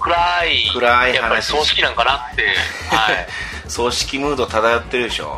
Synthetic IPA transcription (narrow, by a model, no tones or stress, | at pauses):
kɯ̟ɾaikɯ̟ɾaijahanpaɾʲisoːɕi̥kʲinãŋkanat̪ːe̞ | hai | so̞ːɕi̥kʲimɯ̟ːd̪ot̪ad̪ajot̪ːe̞ɾɯ̟d̪eɕo̰ː